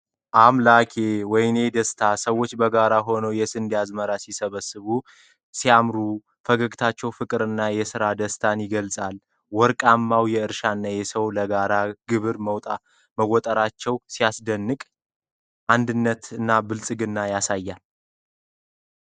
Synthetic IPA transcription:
ʔamlakʰewɔjne̞d̪əst̪ʰasəwːo̞t͡ʃːbəɡaɾaɦo̞nəwjɛsɨnd̪ijazməɾasisəβəsːɨβu | siamɾu | fəɡəɡt̪ʰat͡ʃːɛwfɨkʼɨɾɨnːajɛsɨɾad̪əst̪ʰanjɪɡəlsʼal | wɔɾkʼamːawjɛɨɾʃanːajɛsəwləɡaɾaɡ̥ɨβɨɾməwt̪ʼa | məwɔt̪ʼəɾat͡ʃːɛwsijasd̪ənːɨkʼ | ʔand̪ɨnːət̪ɨnːabɨlsʼɨɡɨnːajasajːal

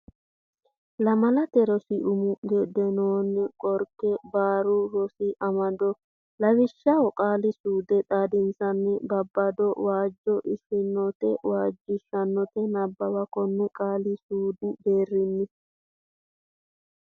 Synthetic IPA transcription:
lɐmɐlɐt̪ɛɾɔsɪʔʊmʊɡɛd̪ɛnoːnɪkʼɔɾkːɛbaːɾʊɾɔsɪʔɐmɐd̪ɔ | lɐwɪʃːɐwɔkʼaːlɪsuːd̪ɛt̪ʼaːd̪ɪnt͡sɐnːɪbɐbːɐd̪ɔwaːd͡ʒːɔʔɪʃɪnːɔt̪ɛ̰waːd͡ʒːɪʃːɐnːɔt̪ɛnɐbːɐwɐkɔnːʊkʼaːlɪsuːd̪ɪbeːrːɪnːɪ

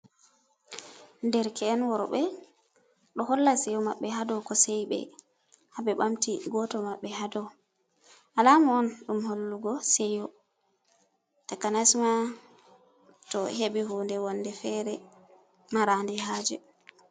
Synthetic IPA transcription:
ndɛɾkɛːnwɔɾɓɛ | ɗɔhɔlːasɛjɔmaɓːɛɦadɔkɔsɛjɓɛ̰ | habɛɓamtiɡɔtɔmaɓːɛhadɔw | ʔalamɔɔnɗumholːuɡɔsɛjɔ | takanasma | tɔheɓiɦoːndɛwɔnːdɛfɛɾɛ | maɾandɛɦaːd͡ʒɛ

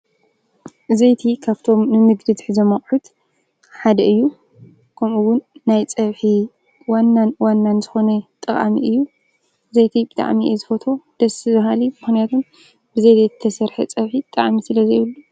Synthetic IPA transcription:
zɐjt̪ʰikʰaβt̪ʰo̞mnɨmɨɡd̪ɨd̪ɨħɨzɐmɐχʼħut̪ | ħad̪ɐʔɨjːu | kʰɐmuwʊnːajt͡sʼɐβħi | wanːanwanːanzɨxo̞nɐt̪ʼɨχʼa̰mḭɨjːu | zɐjt̪ʰibɨt̪ʼa̰ʕmiezɨfɐt̪ʰo̞d̪̥ɐsizɐɦalimɨxnijat̪ʰun | b̥ɨzɐjzɐjzɨt̪ʰɐsɐɾħḛt͡sʼɐβħit̪ʼa̰ʕmisɨlɐzejɨlːu

